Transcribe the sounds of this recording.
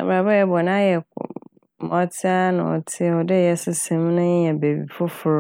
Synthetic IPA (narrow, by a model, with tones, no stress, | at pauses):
a̰˨ba˨ba˦jɛ˨bɔ˨nã˦jɛ˨k | mɔ˨tʰɪ˦a˦nã̰˨ɔ̰˨tʰɪ˦˨ɔ˨dɪ˦˨jɛ˦sɪ˦sɛ̃˨m˦nʊ̃˦ɲ˦jɛ̃˨be˨bḭ˨fʊ˦fʊ˨ɾ